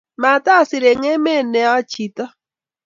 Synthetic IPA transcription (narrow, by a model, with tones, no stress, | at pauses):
ma˨ta˦˨sɪ˨ɾe˨ŋe˦me˦˨nɛ˨˦ɔ˦t͡ʃi˨tɔ˦